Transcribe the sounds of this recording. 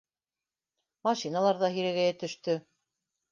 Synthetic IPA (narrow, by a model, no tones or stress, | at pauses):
mɑʃinalˠɑɾðɑɦiɾæɣæjæt̪ɵ̆ʃt̪ɵ